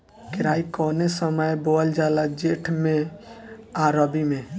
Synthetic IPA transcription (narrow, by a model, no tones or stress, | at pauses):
kɪɾaikɔːnesəməjboəld͡ʒalad͡ʒeʈʰmẽ | aɾəbimẽ